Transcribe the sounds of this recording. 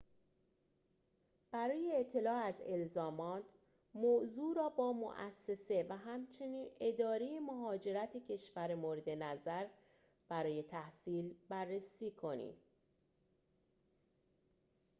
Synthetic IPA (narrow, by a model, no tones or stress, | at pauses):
b̥æɾɒːjeːʔt̪ʰːe̞lɒːæze̞lzɒːmɒːt̪ʰ | moːzuːɾɒːbɒːmo̰ʔæsːe̞se̞væɦæmt͡ʃʰe̞niːne̞d̪ɒːɾe̞jemoɦɒːd͡ʒe̞ɾæt̪ʰecʰe̞ʃvæɾemoːɾe̞d̪e̞næzæɾ | b̥æɾɒːje̞t̪ʰæhsiːlbærːesiːkʰo̞nḭm